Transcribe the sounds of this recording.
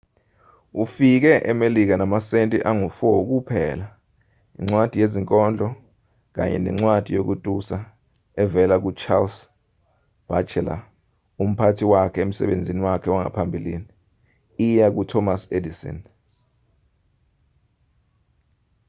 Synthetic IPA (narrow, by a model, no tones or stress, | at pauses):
ufik̬ɛʔɛmelik̬anamasentʼiʔaŋufuwok̬upʰɛla | ḭŋ͡ǀwad̥ʱijeziŋkʼɔnd͡ɮʱɔ | k̬a̰ɲɛ̰nɛ̰ŋ͡ǀwad̥ʱijok̬utʼusa | ɛvɛlak̬ut͡ʃʰals | b̥at͡ʃʰɛla̰ | um̩pʰatʰiwakʰɛem̩sɛ̰ɓend͡zʱiniwakʰɛwaŋa̰pʰambʱilḭːni | ijak̬utʰɔmasedisɔ̰n